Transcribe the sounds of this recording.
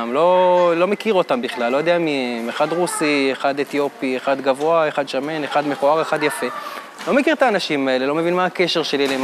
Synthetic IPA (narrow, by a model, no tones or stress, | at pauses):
mlo̞lo̞mekiʁo̞t̪ambiχlalːo̞jod̪eamiemeχad̪ʁusieχad̪et̪jo̞pieχad̪ɡavo̞aeχad̪ʃameneχad̪me̞χoaʁeχad̪jafe̞ | lo̞mekiʁt̪aːnaʃimae̞le̞lo̞me̞vinmaːke̞ʃe̞ʁʃe̞lilem